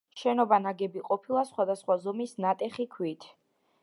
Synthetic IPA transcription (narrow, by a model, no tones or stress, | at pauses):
ʃɛnɔbanaɡɛbiqʼɔpʰilˠasχwad̪asχwazɔmisnat̪ʼɛχikʰwit̪ʰ